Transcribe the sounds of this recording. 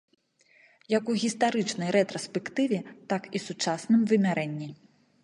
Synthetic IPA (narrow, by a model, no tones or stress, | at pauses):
jɐkuɣʲist̪aɾɨt͡ʂnɐjɾɛt̪ɾɐspʲɛkt̪ɨvʲɛt̪akisut͡ʂasnɨmvɨmʲaɾʔɛnʲːi